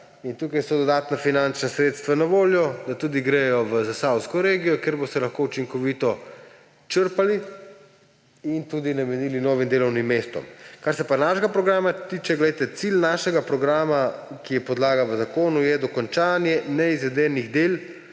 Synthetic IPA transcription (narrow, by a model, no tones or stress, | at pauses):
int̪uːkajsɔd̪ɔd̪aːt̪nafinant͡ʃnasɾeːt̪st̪ʋanaʋoːljɔd̪at̪uːd̪iɡɾeːjɔʋəzasawskɔɾeːɡijɔkeːɾbost̪ɛlaxkout͡ʃiŋkɔʋit̪ɔ | t͡ʃəɾpali | int̪uːd̪inamɛniːlinoːʋimd̪eːlɔwnimːeːst̪ɔ̰mkaɾsɛpanaʒɡapɾɔɡɾaːmat̪iːt͡ʃɛɡlɛjt̪ɛt̪silnaːʃɛɡapɾɔɡɾaːmakijɛpɔd̪laːɡaʋəzakoːnujɛd̪ɔkɔnt͡ʃaːnjɛnɛizʋɛd̪ɛːniɣd̪eːl